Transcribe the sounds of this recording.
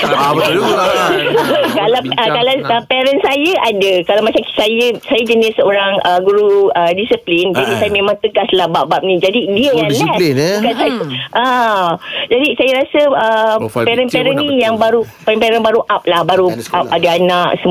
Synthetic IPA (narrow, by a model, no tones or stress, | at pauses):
kalakalaəpɛɾənsajaʔadakalamat͡ʃamsajəsajad͡ʒənisəoɾaŋəɡuɾuədisəplind͡ʒadisajamẽmãŋt̪əɡaslabaʔbap̚nĩd͡ʒadidiəjanlɛskansaʔə | d͡ʒadisajaɾasəəpɛɾənpɛɾənnijaŋbaɾupɛɾɛmpɛɾɛnbaɾuʔap̚lahbaɾuʔap̚adaanãʔsə